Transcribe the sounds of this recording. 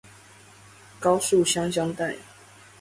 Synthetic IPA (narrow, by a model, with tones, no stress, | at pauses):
kɑ˦ʊsu˥˨ɕjɑ˥ŋɕ̬jɑ˥ŋt̪a˥˨ɪ